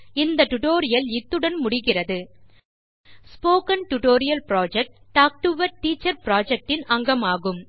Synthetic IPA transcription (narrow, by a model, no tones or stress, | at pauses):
ɪnd̪ɐʈʊʈoːɾɪjɐlɪt̪ːɯɽɐnmʊɽɪɣɪrɐðɯ | spoːkɐnʈʊʈoːɾɪjɐlpɪɾaːd͡ʒɛk̚ʈ | ʈːaːk̚ʈɯʋɐɾʈːiːt͡ʃːɐɾpɾaːd͡ʒɛk̚ʈɪnɐŋɡɐmaːɣɯm